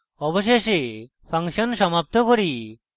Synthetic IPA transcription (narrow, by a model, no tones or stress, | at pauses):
ɔboʃeʃe | pʰaŋʃonʃɔmap̚t̪ʰokoɾi